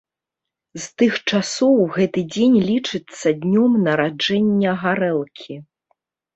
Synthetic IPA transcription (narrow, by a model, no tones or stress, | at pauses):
zt̪ɨxt͡ʂasɔwɣɛt̪ɨd͡zʲenʲlʲit͡ʂɨt̪sːɐd̪ʲnʲɔmnɐɾad͡ʐɛnʲːɐɣaɾɛlˠkʲʰi